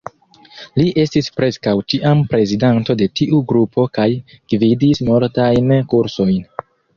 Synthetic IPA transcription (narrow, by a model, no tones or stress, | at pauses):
liʔe̞stispɾe̞skawtiʔampɾe̞zidanto̞de̞tiʔuɡɾupo̞kaj | ɡ̥vidismoɾtajnkuɾso̞jn